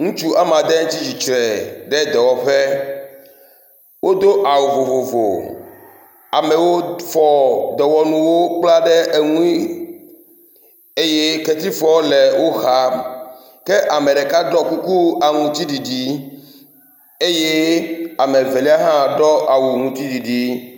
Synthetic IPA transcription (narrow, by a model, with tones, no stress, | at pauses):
ŋũ˦t͡ʃu˦ʔa˦mã˨d̪ɛ˦t͡ɕi˦d͡ʑi˨t͡ʃɾɛ˨ɖɛ˦d̪ɛ˨wɔ˨ɸɛ˦ | wo˦d̪o˦ʔa˨wu˨vo˨vo˨vo̰˨ | a˨mɛ˨wo˦fɔ˨d̪ɛ˨wɔ˨nũ˨wo˦k͡pla˦ɖɛ˦ʔe˨ŋũ˦i˦ | e˦je˦kɛ˦t̪i˦fɔ˦le˨wo˦xa˦ | ke˦ʔa˨mẽ˨ɖɛ˨ka˦ɖɔ˦ku˦ku˦a˨ŋũ˨t̪i˦ɖi˨ɖi˦ | e˦je˦a˨me˨ve˨li˦a˦ɦã˦ɖɔ˦ʔa˨wu˨ŋũ˨t̪i˦ɖi˨ɖi˨